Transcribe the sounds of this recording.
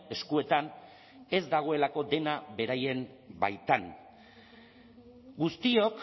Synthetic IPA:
e̞skue̞t̪an | e̞zd̪aɣ̞o̞e̞lako̞d̪e̞naβe̞ɾaje̞m | ba̰jt̪an | ɡust̪io̞k

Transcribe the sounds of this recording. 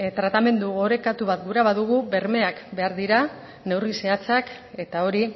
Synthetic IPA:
t̪ɾat̪ame̞nd̪uɣo̞ɾe̞kat̪uβat̪̚ɡuɾaβaðuɣ̞ube̞ɾme̞akbe̞aɾðiɾa | ne̞wrise̞at͡sak | e̞t̪ao̞ɾi

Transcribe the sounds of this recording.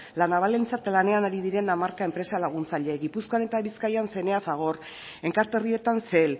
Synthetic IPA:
lanaβale̞nt͡sat̪lane̞anaɾið̞iɾe̞namaɾkae̞mpɾe̞salaɣ̞unt͡saʎeɣipuskoanet̪aβiskajanse̞ne̞afaɣ̞o̞r | e̞ŋkaɾt̪erie̞t̪anse̞l

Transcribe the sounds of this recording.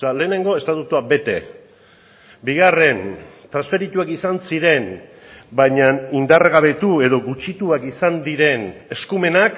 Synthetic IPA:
ale̞ːne̞ŋɡo̞e̞st̪at̪ut̪uabe̞t̪e̞ | biɣ̞are̞nt̪ɾasfe̞ɾit̪uakisansiɾe̞n | bajɲanind̪arɣaβe̞t̪ue̞ðo̞ɣut͡ʃit̪uakisand̪iɾe̞ne̞skume̞nak

